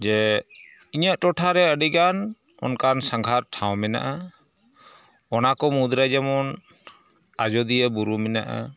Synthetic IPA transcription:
d͡ʒɛ | iɲaʔtɔʈʰaɾɛəɖiɡan | ɔ̰nkansaŋɡʱaɾʈʰawmɛna̰ʔa | ɔnakɔmud̪ɾajd͡ʒamɔn | ad͡ʒɔd̪ijəbuɾumɛnaʔa̰

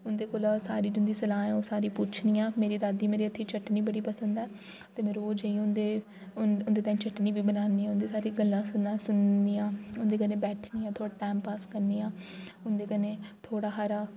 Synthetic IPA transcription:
ʊnd̪eːkoːlaːsaːɾiːd͡ʒɪnd̪iːsəlaːɛ̃ːoːsaːɾiːpʊt͡ʃʰniːãːmeːɾiːd̪aːd̪iːmeːɾiːət̪ʰːiːt͡ʃʰəʈniːbəɽiːpəsənd̪ɛː | t̪eːmeːɾoːd͡ʒeĩʊnd̪eː | ʊnd̪eːt̪aːĩt͡ʃʰəʈniːʋiːbənaːniːɛːʊnd̪eːsaːɾiːɡəlːãːsʊnãːsʊnniːãːʊnd̪eːkənẽːbɛːʈʰniːãːt̪ʰoːɽaːʈaːmpaːskəɾniːãːʊnd̪eːkənẽːt̪ʰoːɽaːɦaːɾaː

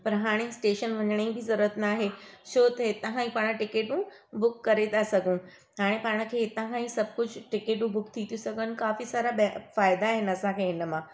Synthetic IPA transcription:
pɐɾɦaːɽ̃esʈeːʃənʋɐɲəɽ̃eĩbʱizɐɾuɾət̪naːɦeʃʰoːt̪ɐɦɪt̪aɦãːĩpaːɽ̃ʈɪkeːʈũ | bʊkːɐɾet̪asɐɡʱũ | ɦaːɽ̃ẽpaːɽ̃ə̆kʰeːɪt̪ãɦãːĩsɐbʱkʊd͡ʑʱʈɪkeːʈũbʊkt̪ʰit̪ʰjũsɐɡʱən̆kaːfisaːɾabfaːɪd̪aɦɪnɐsãkʰeɦɪnə̆mãː

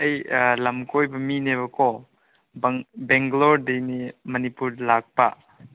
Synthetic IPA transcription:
ɐjlɐmkojbɐmineβɐkɔ | bbeŋɡloɾdejnimɐnipuɾlak̚pa

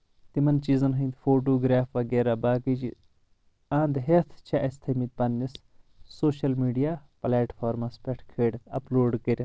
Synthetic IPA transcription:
t̪imɐnt͡ʃiːzɐnɦɐ̃ːnd̪foːʈ̬oːɡɾaːfʋɐɡeːɾabaːkit͡ʃi | ãːnd̪ɦet̪ʰt͡ʃʰeʔɐst̪ʰɐmit̪̚pɐnːisː | oːʃɐlmiːɖijaːplaːʈfʰaːɾmɐspʲeʈʰkʰeːɽt̪ʰɐ̰ploːɖkɐɾʲɐ

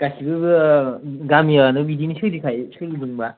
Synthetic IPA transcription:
ɡ̥asibɯɯ | ɡamiaanɯbidinisɯdikʰajsɯdidɯŋba

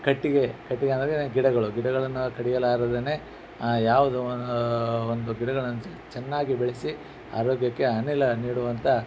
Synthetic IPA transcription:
kɐʈːiɡe̞kɐʈːiɡeɐnd̪ɐɾeɡiɽɐɡɐɭuɡiɽɐɡɐɭɐnːukɐɽijɐlaːɾɐd̪eneː | jaːʋud̪u | ond̪uɡiɽɐɡɐɭɐnːu | t͡ʃɛnːaːɡibeɭesi | a̰ːɾoːɡjɐkːe̞ɦɐnilɐniːɽuʋɐnt̪ʰɐ

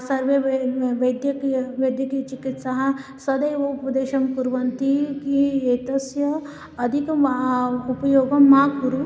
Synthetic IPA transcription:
sɐɾʋeʋɐjd̪jɐkʋɐd̪jɐkit͡ʃikit̪saɦɐ | sɐd̪ɐjɐupɐd̪eːʃɐmkuɾʋɐnt̪ikiet̪ɐsjɐː | d̪ʱik | upɐjoːɡɐmːakuɾu

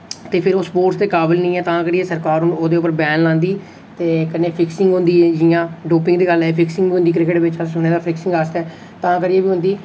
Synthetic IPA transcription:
t̪eːpʰɪɾoːspoːʈsd̪eːkaːbɪlnĩːɛːt̪ãːkəɾieːsəɾkaːɾʊnoːd̪eːʊpəɾbɛːnlãːnd̪iː | t̪eːkənːeːpʰɪksɪ̃ŋɡɦʊ̃nd̪iːɛːd͡ʒɪjãːɖoːpɪ̃ŋɡd̪eːɡəlɛːpʰɪksɪ̃ŋɡbiːɦʊ̃nd̪iːkɾɪkəʈbɪt͡ʃaʊneːd̪aːpʰɪksɪ̃ŋɡaːst̪ɛː | t̪ãːkəɾieːbiːɦʊ̃nd̪iː

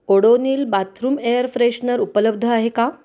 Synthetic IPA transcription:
koɽoniːlbat̪ʰɾuːmejəɾfɾeɕnəɾupələb̚d̪ʱəaɦeka

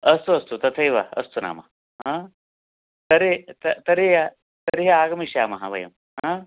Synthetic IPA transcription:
ɐst̪uɐst̪ut̪ɐt̪ʰɐjʋa̰ɐ̰st̪una̰ːmɐ̰ | ɦãː | t̪ɐɾet̪ɐt̪ɐɾeja | t̪ɐɾijɐaːɡɐmiʃjaːmɐɦabʱɐ̰jɐm | ɦã

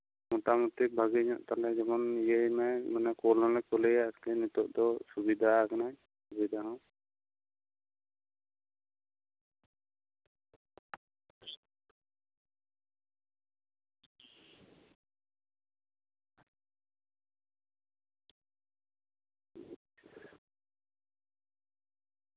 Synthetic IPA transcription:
mɔʈamut̪ibʱaɡiɲɔʔt̪alɛd͡ʒɔmɔnijəjmɛmanɛkɔlɔ̃lɛkɔlɛjaʔslɛnut̪ɔʔd̪ɔsubid̪ʱakanaj | subid̪ʱaɦɔ̃

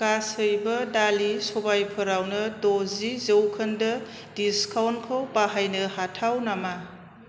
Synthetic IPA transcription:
kasɯjbɐdalisɔbajpʰɐɾawnɐdozizəwkʰɐndɐ | diskawnkʰawpaɦajnɐhatʰawnama

